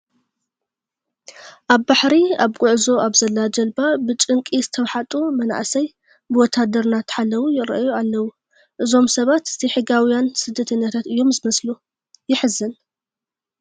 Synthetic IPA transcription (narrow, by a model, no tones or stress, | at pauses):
ʔaβbaħɾiaβkʼʊʕzo̞ʔaβzɐlːad͡ʒɐlbabɨt͡ʃʼɨŋkʼizɨt̪ʰɐwħat̪ʼomɐna̰ʔsɐj | bɨwɔt̪ʰːad̪ɐɾnat̪ʰɨ̥ħalːɐwujɪɾɐ̰ʔjualːɐwu | ʔɨzo̞msɐβat̪ɨ̥zʰiħɨɡawjansɨd̪ːɐt̪ʰɨnːat̪ʰat̪ɨjːo̞mzɨmɐslu | jɪħɨzɨn